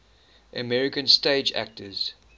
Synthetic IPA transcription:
ʔəmɛɹɪkə̃nsteɪd͡ʒæ̰k̚tʰəz̥

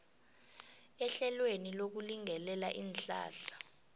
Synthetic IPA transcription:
ɛɬɛlwenilok̬uliŋɛlɛla̰ʔiːnɬʼa̰ːɬḁ

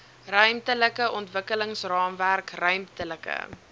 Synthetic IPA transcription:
rœɥmtələkəʔɔntvəkələŋsrɑːmværkrœɥmtələkə̰

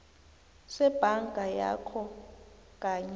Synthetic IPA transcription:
sɛb̥ʱaŋɡʱaja̰kʰɔ | kʼaɲ

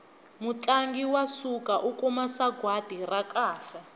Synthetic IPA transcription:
mut͡ɬʼaŋɡiwasukaʔukumasaɡʱwad̥ʱirakaːɬɛ

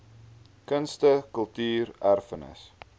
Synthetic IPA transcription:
kənstəkəlˠtyːrærfənə̰s

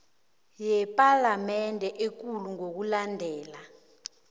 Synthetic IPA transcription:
jɛpʼalamɛndʱɛʔek̬uluŋok̬ulandʱɛːla

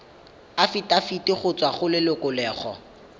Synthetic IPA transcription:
afitʼafitʼɪχʊt͡sʼwaχʊlɪlʊkʊlɛːχɔ̰

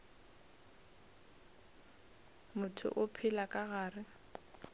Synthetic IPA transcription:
mʊtʰʊ̰ʔʊpʰɪlakʼaɣaːrɪ

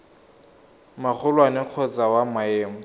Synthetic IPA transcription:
mak͡xʰʊlwanɪq͡χʰɔt͡sawamaeːmɔ

